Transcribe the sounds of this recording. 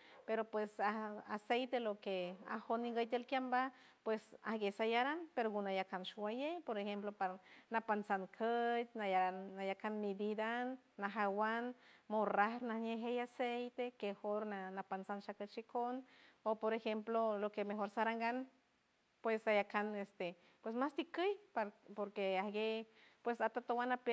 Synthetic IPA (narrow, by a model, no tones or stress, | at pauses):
peɾopwesaa̰sejt̪elokea̰honːiŋɡəjt̪elkjamba | pwesa̰hɡesajaɾanpeɾoɡunajakanʃuwajejpoɾehemplopaɾnapansankʰət̪naaajakanmid̪id̪anː | aɦawanmoraɾnahɲeɦejasejt̪ekexoɾnanapansanʃakət͡ʃikʰonopoɾexemplolokemexoɾsaɾaŋɡan | pwesajakanest̪e | pwesmast̪ikəjpaɾpoɾkeahɡepwesat̪at̪owanape